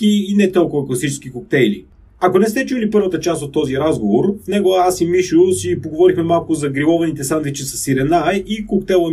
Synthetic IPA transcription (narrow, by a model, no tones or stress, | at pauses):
iːnɛt̪ɔlˠkʊvəklˠɐsit͡ʃɛskikok̚t̪ɛjlḭ | ɐkonɛst̪ɛt͡ʃulipɤɾvət̪ət͡ʃast̪ot̪ːɔziɾazɡovoɾfnɛɡoəasimiʃusipoɡovɔɾixmɛmalˠkʊzɐɡɾivɔvɐnit̪ɛsand̪it͡ʃɛsɐsiɾɛnaikokt̪ɛlˠə